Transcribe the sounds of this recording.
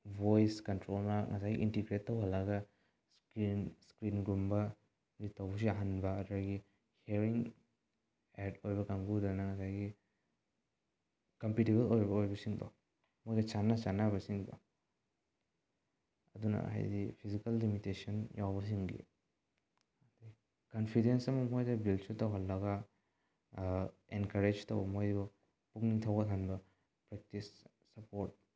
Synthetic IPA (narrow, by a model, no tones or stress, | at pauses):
bojskɐntɾolmɐŋɐsajɡḭʔintiɡɾetːowɦɐlaɡɐ | skinskɾinɡɾumbɐ | ɡitɐwbɐs̬iɐɦanbɐːduaɡi | heɾiŋ | eɾtojbɐkaŋɡudanɐŋɐsajɡi | kɐmpiteβelojbɐojbɐsiŋbɐ̰ | mojɡɐt͡ʃanːat͡ʃanːabɐsiŋbɐ̰ | ɐdunɐ̰ɦa̰jdipʰizikɐlːimitesɐnjawbɐsiŋɡḭ | di | kɐnpʰidensɐmɐmojdɐbilsutɐwɦɐlːɐɡa | enkɐɾed͡ʒtɐwbɐmojdu | puk̚niŋtʰɐwɡɐtʰanbɐ | pɾek̚tisː | ɐpoɾt̚